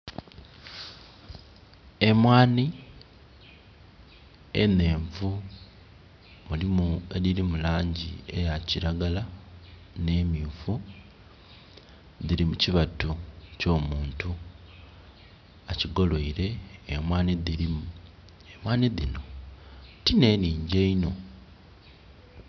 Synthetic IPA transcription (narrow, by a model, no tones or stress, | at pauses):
e̞mwaːni | ḛne̞ːɱvu | mulimue̞lilimulaːɲɟḭe̞jaciɾaɡala | ne̞ːmjuːvu | ðiɾimuciβatuco̞ːmuːntu | aciɡo̞lwoiɾe̞ːmwaːniðilimu | emwaːniðino̞ | tine̞ːniːɲɟe̞ino̞